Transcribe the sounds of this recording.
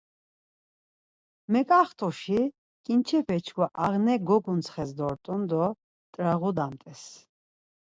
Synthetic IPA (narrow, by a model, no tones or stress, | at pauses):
mɛkʼaχt̪ʰʼuʃi | kʼint͡ʃʰɛpʰɛt͡ʃʰɡwaʔaʁnɛɡɔɡunt͡sʰχɛsd̪ɔɾt̪ʼund̪ɔ | t̪ʼɾaʁud̪amt̪ʼɛs